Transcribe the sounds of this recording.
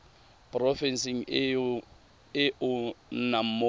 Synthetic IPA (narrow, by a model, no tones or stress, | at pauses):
pʼrɔfɛnsiŋ | ɪunamo